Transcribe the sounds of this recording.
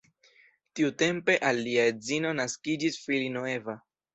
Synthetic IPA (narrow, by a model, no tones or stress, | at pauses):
tiute̞mpe̞ʔalːiaezino̞naskid͡ʒisfilinoe̞va